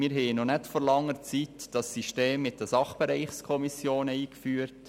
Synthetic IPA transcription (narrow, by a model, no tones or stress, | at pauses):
mɪːɾɦɛːənɔnɛtfɔɾlɑŋːəɾt͡sitd̥ɑsːiʃteːmːɪt̚dəsɑχb̥ɛɾɛɪχskʰɔmisjoːnəiːkfyːəɾt